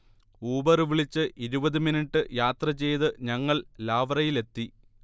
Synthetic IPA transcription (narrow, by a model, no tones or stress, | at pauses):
uːbɐrɨʋiɭit͡ɕːɨʔiɾubɐðɨminiʈːɨjaːt̪rɐt͡ɕe̞jðɨɲɐŋːɐɭlaːʋrɐjile̞t̪ːi